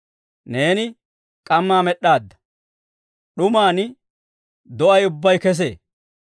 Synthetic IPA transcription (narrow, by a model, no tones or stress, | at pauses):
ne̞ːnɪ | kʼɐmːaːmɛɗːaːd̪ːɐ̥ | ɗʊmaːnɪ | d̪ɔʔɐjʊbːɐjkɛs̬ḛː